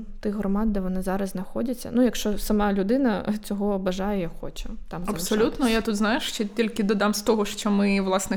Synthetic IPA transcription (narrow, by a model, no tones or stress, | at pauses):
t̪ɪɦɾɔmɑd̪̚d̪ɛʋɔnɪzɑɾɐzznɐxɔdʲɐt͡sʲːɐ̰nujɐkʃt͡ʃɔsɐmɑlʲʊd̪ɪnɐt͡sʲɔɦɔːbɐʒɑjɛjaxɔ̰t͡ʃɛt̪ɑmɐpssɔlʲut̪nɔjat̪ut̪znajɪʃt͡ʃɛtʲilʲkʲɪd̪ɐd̪ɑmst̪ɔɦɔʃt͡ʃɔmɪʋlˠɑsnɛ